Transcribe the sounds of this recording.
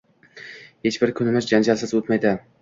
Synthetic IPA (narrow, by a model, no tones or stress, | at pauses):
he̞t͡ʃbɪɾkʲʰʊnɪmɪzd͡ʒand͡ʒalsɪzot̪majd̪ɪ